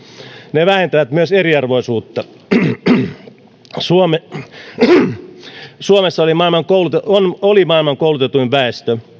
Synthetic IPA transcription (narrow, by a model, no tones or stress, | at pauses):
neʋæhent̪æʋæt̪myøseriɑrʋoisuːt̪ːɑ | suome | suomesːɑolimɑˑilmɑŋkoulut̪eonolimɑˑilmɑŋkoˑulut̪et̪uiʋʋæest̪ø